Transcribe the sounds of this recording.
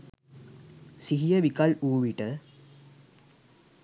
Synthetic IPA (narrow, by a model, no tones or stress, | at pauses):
siɦijəʋikaluːʋiʈə